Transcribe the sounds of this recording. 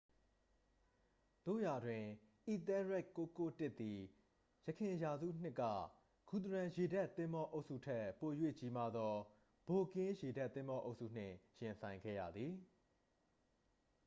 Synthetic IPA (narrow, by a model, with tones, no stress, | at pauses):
d̪̥o̰˦˨ja˨dwɪ̃˨ | ʔi˨t̪ɛ˦ɹɛ˦˨kːo˦ko˦tɪ˦ʔt̪ːi˨ | jə˨kʰɪ̃˨ja˨zṵ˦˨n̥ɪ˦kːä̰˦˨ | ɡ̥u˨t̪̬əɹã˨je˨da˦˨t̪ːɪ̃˦mbɔ˦ʔo˦ʊʔsṵ˦˨tʰɛ˦˨po˨jwḛ˦˨t͡ɕi˦ma˦d̪ɔ˦ | b̥o˨kɪ̃˦je˨da˦t̪ːɪ̃˦mbɔ˦ʔo˦ʊʔsṵ˦˨n̥ɪ̰̃˦˨jɪ̃˨nsʰã˨ɪ̃ŋɡɛ̰˦˨jä̰˦˨d̪ði˨